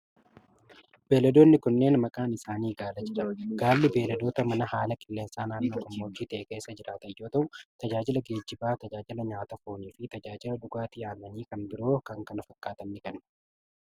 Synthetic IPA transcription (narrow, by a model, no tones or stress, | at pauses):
be̞ːlɐd̪o̞ːnːɪkʊnːe̞ːnmɐkʼaːnɪsaːniːɡaːlɐd͡ʒɪɾɐɡaːlːɪbe̞ːlɐd̪o̞ːt̪ɐmɐnɐhaːlɐkʼɪlːe̞ːnsaːnaːnːoːkɐmːoːd͡ʒːiːt̪ɐʔeːke̞ːsːɐd͡ʒɪɾaːt̪ɐjːo̞ːt̪ɐʔʊt̪ɐd͡ʒaːd͡ʒɪlɐɡe̞ːd͡ʒːɪbaːt̪ɐd͡ʒaːd͡ʒɪlɐɲaːt̪ɐfoːniːfɪt̪ɐd͡ʒaːd͡ʒɪlɐᶑʊɡaːt̪ɪjaːlːɐniːkɐnbɪɾo̞ːkɐŋkɐnɐfɐkʼːaːt̪ɐnːɪkɐnɐ̥